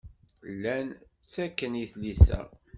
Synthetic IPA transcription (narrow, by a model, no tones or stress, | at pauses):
lːæn | t͡sːækːənjiθlisæ̰